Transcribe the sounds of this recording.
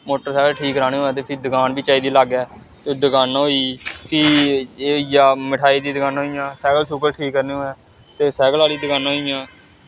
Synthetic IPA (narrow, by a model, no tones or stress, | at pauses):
moːʈəɾsɛːɡəlʈʰiːkːəɾaːneːõːɛːt̪eːpʰɪɾd̪əɡaːnbiːt͡ʃaːiːd̪iːlaɡɛː | t̪eːd̪əɡaːnɦoːiːpʰiː | ijaːmɪʈʰaːiːd̪iːd̪əɡaːnoːijãːsɛːɡəlsuːkəlʈʰiːkːəɾneːõːɛː | t̪eːsɛːɡəlaːliːd̪əɡaːnːɦoːijãː